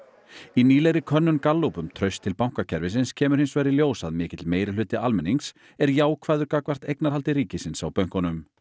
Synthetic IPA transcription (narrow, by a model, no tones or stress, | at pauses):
iniːlɛɣɾɪkʰœnːʏnkalːowpʏmt̪ʰɾœɥst̪ʰɪlpawŋ̥kacʰɛɾvɪs̬ɪnscʰɛːmʏɾ̥hɪnsvɛːjɾɪljoːwsa̰ðmɪːcɪt̪lmeːjɾɪlʏːt̪ɪalmɪnːiŋks | ɛɾjaːwkʰvaːðʏɾkakvar̥t̪ejknaɾ̥halt̪ɪɾiːcɪsɪnsawpœɥŋ̥kɔnʏm